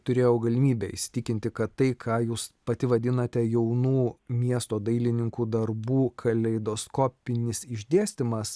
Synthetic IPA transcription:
t̪ʊɾʲeːjɛʊɡɐlʲɪmʲiːbʲɛɪ̰ʃʲsʲɪ̥t̪ʲɪkʲɪnʲt̪ʲɪkɐt̪t̪ɐɪkʰɑːjuːspɐt̪ʲɪʋɐd̪ʲɪnɐt̪ʲɛjɛʊnuːmʲiɛst̪oːd̪ɐɪlʲɪnʲɪŋkuːd̪ɐɾbuːkʰɐlʲɛɪd̪oːskoːpʲɪnʲɪsɪʒʲd̪ʲeːsʲt̪ʲɪmɐs

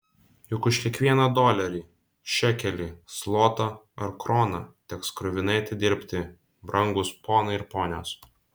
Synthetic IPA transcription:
jʊkʊʃkʲiɛkʋʲiɛnɐd̪oːlʲɛɾʲiː | ʃʲɛkʲɛlʲiːslˠoːt̪ɐ | ɐɾkɾoːnɐ̰t̪ʲɛkskɾʊʋʲɪnɐɪɐt̪ʲɪd̪ʲɪɾʲpʲt̪ʲɪ | bɾʔɐŋɡʊspoːnɐɪɪɾpoːnʲo̰ːs

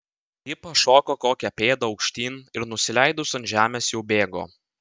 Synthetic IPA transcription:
jɪpɐʃoːkoːkoːkʲɛpʲeːd̪ɐɒʊkʃʲt̪ʲiːnɪɾnʊsʲɪlʲæɪd̪ʊsɐnʒʲæːmʲeːsjɛʊbʲeːɡo̰ː

